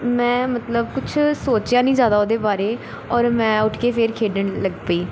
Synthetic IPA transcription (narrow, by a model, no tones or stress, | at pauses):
mɛ̃ːmət̪ləbkʊt͡ʃʰsoːt͡ʃjãːnĩːzjaːd̪aːoːd̪eːbaːɾeː | ɔːɾmɛ̃ːʊʈʰkeːpʰeːɾkʰeːɖəɳləɡpəiː